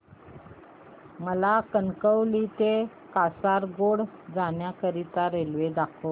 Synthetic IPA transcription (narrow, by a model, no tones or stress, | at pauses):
məlakənkəwlit̪e | kasaɾɡoɽd͡zanjakəɾit̪aɾelʋed̪akʰo